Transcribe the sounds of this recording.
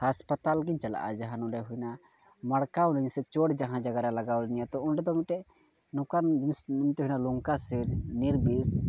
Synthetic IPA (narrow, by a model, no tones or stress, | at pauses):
haspət̪alɡiɲt͡ʃala̰ʔa̰d͡ʒaɦanuɳɖɛɦujna | maɽkawniɲsɛt͡ʃɔɽd͡ʒaɦãd͡ʒaɡaɾalaɡawd͡ʒɲijat̪ɔunɖɛd̪ɔmiʈɛʔ | nukand͡ʒsmt̪ɛɦujnaluŋkasɛniɾbis